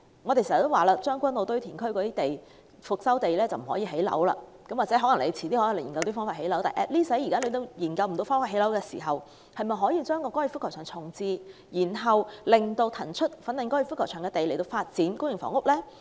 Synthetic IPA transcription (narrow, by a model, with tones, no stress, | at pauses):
ŋɔː˨˧e˨siː˨˩zt̪o˥waː˨laː˧t͡ʃœː˥ŋkʷɐ˥nlo˨˧wt̪ɥt̪ʰiː˨˩nkʰɵ˥ɥkɔː˨˧t̪iː˥t̪e˨j | fʊ˨k̚sɐ˥wt̪e˨jlɛː˥t͡sɐ˨wm̩˨˩hɔ̰ː˨˥jiː˧ɦe˨˥jlɐ̰˨˥wlɐ̰ː˧ | kɐ˨˥mwaː˨kt͡sɛ˨˦˥ɦɔ˨˥lɐ˨˩ŋle˨˧jt͡sʰiː˨˩t̪iː˥hɔː˨˥i˨˧lːkɐ˧wt̪iː˥fɔː˥ŋfaː˧the˨˥jlɐ˨˥wt̪aː˨˩ʔɛ̰ː˧˩liː˥sɐ˨˥jiː˨kaː˥le˨˧jt̪o˧wjiː˨˩nkɐ˧wm̩˨˩t̪o˧wfɔː˥ŋfaː˧t̚he˨˥lɐ˨˥wkɛː˧sḭ˨˩ɦɐ˨w | hɐ˨jmɐ˨jɦɔː˨˥jiː˧t͡ʃœː˥ŋkɔː˧kɔː˥ji˧fʊ˥kʰːɔ˨˩œː˨˩ŋt͡sʰʊ˨˩ŋt͡siː˨˧jiː˨˩nɦɐ˨wlɪ˨˩ŋt̪o˧wt̪ʰɐ˨˩nt͡ʃʰɵ˥t̚fɐ˨˥nlɪ˨˩ŋkɔː˥ji˧˩fʊ˥kʰːɔ˨˩wt͡ʃʰœː˨˩ŋkɛː˧t̪e˨jle˨˩jt̪o˧wfaː˧t̚t͡siː˨˥nkʊ˥ŋjɪ˨˩ŋfɔ̰ː˨˩ŋʊ˥k̚lɛː˥